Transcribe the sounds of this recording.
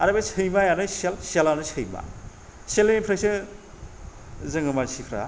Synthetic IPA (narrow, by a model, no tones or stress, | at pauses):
aɾabesʰɯjmajanɯselselanɯsʰɯjma̰ | selenpʰɾejsɯ | zɯŋɯmaɾsipʰɾa̰